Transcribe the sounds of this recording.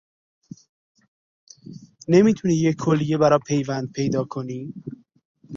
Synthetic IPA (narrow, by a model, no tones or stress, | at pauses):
ne̞miːt̪ʰuniːjecʰːolːije̞bæɾɒːpʰe̞jvænd̪̚pʰe̞jd̪ɒːkʰo̞niː